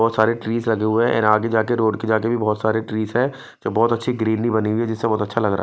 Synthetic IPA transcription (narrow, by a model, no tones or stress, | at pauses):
ɔːt̪saːɾeʈɾiːzlɐɡeɦʊeɦɛ̃ɛ̰ːɾaːɡed͡ʒaːkeɾoːɖked͡ʒaːkebʱibɔːt̪saːɾeʈɾiːzɦɛ̃ː | d͡ʒoːbɔːt̪ɐtːʃʰiɡɾiːnːibɐniɦʊiɦɛd͡ʒɪsːebɔːt̪ɐtːʃʰalɐɡɾa̰ɦ